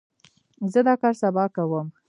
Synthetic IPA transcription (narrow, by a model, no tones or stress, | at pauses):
zəd̪ɑkɑɾsabɑkawəm